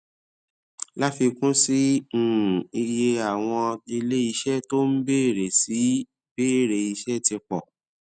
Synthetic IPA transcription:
la˦fi˧kũ˦si˦˨ | i˧je˧a˨w̃ɔ̃˧i˧le˦i˧ʃɛ˦to˦n̩˦be˦˨ɾe˨si˨˦ | b̥e˦˨ɾe˨i˨˧ʃɛ˦ti˧k͡pɔ˨

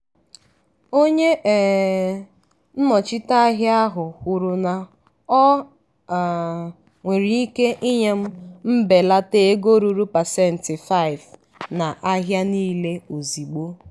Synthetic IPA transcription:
o˦ɲe˦ʔ | n̩˦mɔ˨t͡ʃɪ˦ta˦a˦ɦja˦ɦʊ˨kʷʊ˨ɾʊ˨na˨ | ɔ˦˨ | ŋʷe˨ɾi˨i˦ke˦ʔi˦ɲe˦m̩˦m̩˦be˨la˦te˦ɡo˦ɾu˨ɾu˦pa˨sɛ˦˨n̩˨tɪ˨fa˦ɪ˨v | na˨ʔa˦ɦja˦niː˦le˦o˨zi˨ɡ͡bo˦

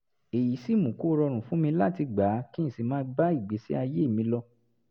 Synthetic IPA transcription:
e˨ji˨˦si˦˨mũ˨˦ku˦ɾɔ˧ɾ̃ũ˨fũ˨˦mĩ˧la̰˦ti˧ɡ͡ba˨˦kĩ˦˨si˧mãː˦˧˦ba˦i˦˨ɡ͡be˨˦sḭ˦a˧je˦˨mĩ˧lɔ˧

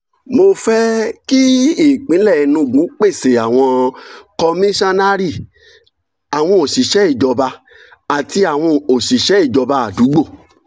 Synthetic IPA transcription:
mo˧fɛ˦ki˦i˦˨k͡pĩ˨˦lɛ˦˨˧nũ˧˨ɡũ˨˦k͡pe˦˨se˨a˨w̃ɔ̃˧kɔ˧mĩ˦ʃa˦na˦ɾi˦˨ | a˨w̃ɔ̃˧o˨si˨ʃɛ˨˦i˦˨d͡ʒɔ˧ba˧ | a˨ti˧a˨w̃ɔ̃˧o˨si˨ʃɛ˨˦i˦˨d͡ʒɔ˧ba˧a˨du˨˦ɡ͡bo˦˨

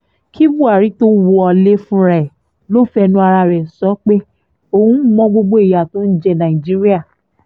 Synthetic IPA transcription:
kʰi˦bu˦˨a˨ɾi˨˦to˦wo˧ɔ˧le˦fũ˦ɾɛ˨ɛ˨ | lo˦fɛ˧nũ˦a˧ɾa˧ɾɛ˨sɔ˨˦k͡pe˦ | o˧hũ˦mɔ̃˦ɡ͡bo˧ɡ͡bo˦i˨ja˨tõ˨˦n̩˦d͡ʒɛ˧nã˨i˨d͡ʒi˨˦ɾi˦a˦˨

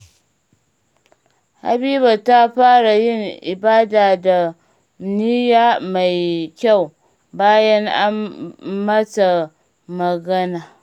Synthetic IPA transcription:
a̰˦bi˦ba˨ta˦ɸa˦ɾa˨jɪ˦˨nḭ˨ba˦da˨da˨ | ni˦ja˦ma˨jkʲa˦˨w | ba˦jɐ˦na̰˦ma˦t͡sa˨ | mɐ˨ɡɐ˦na˨

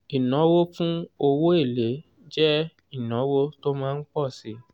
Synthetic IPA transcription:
i˨nɔ̃˨˦wo˦fũ˦o˧wo˦e˦˨le˨˦ | d͡ʒɛ˦ | i˦˨nɔ̃˨˦wo˦to˦mãː˦n̩˦k͡pɔ˦˨si˨˦

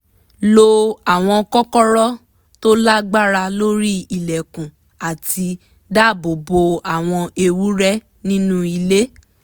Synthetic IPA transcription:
lo˧a˨w̃ɔ̃˧kɔ˦kɔ˦ɾɔ˦ | to˦la˦ɡ͡ba˦ɾa˧lo˦ɾi˦i˦˨lɛ˨kũ˨ | a˨ti˧ | da˦˨bo˨bo˧a˨w̃ɔ̃˧e˧wu˦ɾɛ˦ | nĩ˦nũ˦i˧le˦

